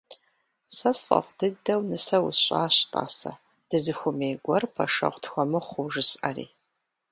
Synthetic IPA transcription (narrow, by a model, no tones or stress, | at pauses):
sɐsfʼɐ̰fd̥ɨɡ̚dɐwnɨsɐwʊsɕʼaːɕtʼa̰ːsɐ̰ | d̥ɨzɨxʷʊmeːɡʷɔrpʰɐ̰ʂɐ̰ʁʷtxʷɔmɨχʷʊʒɨsʔɐrḭː